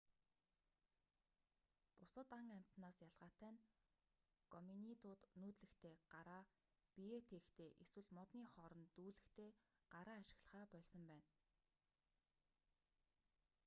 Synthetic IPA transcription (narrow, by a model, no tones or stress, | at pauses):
pʊsə̆t̪aŋæm̥ʲt̪naːsjaɮʁaːt̪æːn | ɡɔminit̪ʊːt̪nuːt̪ɮɘ̆xt̪ʰeːɢ̥aɾaː | piet̪ʰext̪ʰeːʔeswɘ̆ɮmɔt̪niːχɔɾɞ̆nt̪uːɮɘ̆xt̪ʰeː | ɢ̥aɾaːʃɪ̆ɣɮə̆χaːpœɮsɞ̆mpæːn